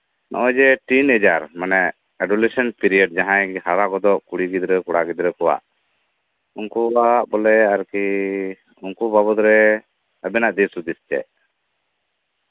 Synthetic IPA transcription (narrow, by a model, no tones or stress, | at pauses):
nʔɔ̰ʔɔ̃d͡ʒɛʈinɛd͡ʒaɾmanɛʔ | ɛɖulɛsɔnpiɾiɔɖd͡ʒaɦãjhaɾakɔd̪ɔʔkuɽiɡid̪ɾɛkɔɽaɡid̪ɾɛkɔwa̰ʔ | unkuaʔbɔlɛaɾki | uŋkubabɔd̪ɾɛ | abɛnaʔd̪isud̪ist͡ʃɛ̰ʔ